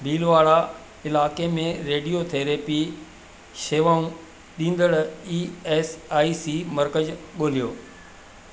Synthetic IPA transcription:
biːlʋaːɽa | ɪlaːkemẽɾeːɖijot̪ʰeːɾeːpi | ʃeːʋaːũ | ɗĩːn̆d̪əɽiːeːsaːisiːmɐɾkəd͡ʑɠoːlijoː

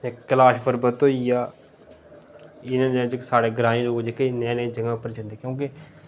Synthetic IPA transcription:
ekəlaːʃpəɾbət̪oːiːaː | ɪnãːnẽːd͡ʒɪksaːɽeːɡɾãːĩːloːɡd͡ʒekənɛ̃ːnẽːd͡ʒəŋɡãːpəɾt͡ʃənd̪eːkjõːkɪ

